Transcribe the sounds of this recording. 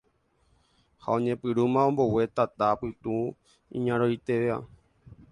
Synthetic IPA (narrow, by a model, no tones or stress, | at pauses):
ha̰õ̞ɲẽpɨɾumãõmbo̞we̞t̪at̪apɨt̪ũ | ḭ̃ɲãɾojt̪e̞ʋea̰